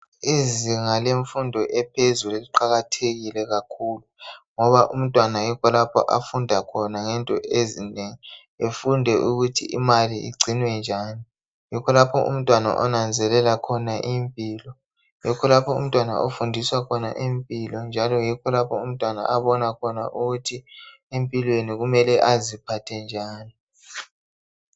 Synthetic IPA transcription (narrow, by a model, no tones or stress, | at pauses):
eziŋaleɱfundʱɔʔɛpʰezuliliǃaɣatʰeɣilɛɣakʰuluŋɔβaʔum̩tʼwanajikʰɔlapʰɔ̰ʔafundʱakʰɔnaŋɛntʼɔʔezineŋi | efundʱɛʔuɣutʰḭʔḭmaliḭɡ͡ǀʱinwɛnd͡ʒʱaːni | jikʰɔlapʰɔ̰ʔṵm̩tʼwana̰ʔɔ̰nand͡zʱɛlɛlakʰɔnaʔimpʼiːlɔ | jɛkʰɔlapʰɔṵm̩tʼwana̰ʔofundʱiswakʰɔna̰ʔempʼilɔnd͡ʒʱalɔjikʰɔlapʰɔum̩tʼwana̰ʔaβɔnakʰɔna̰ʔuɣutʰi | empʼilweniɣumɛlɛʔazipʰatʰɛnd͡ʒʱaːni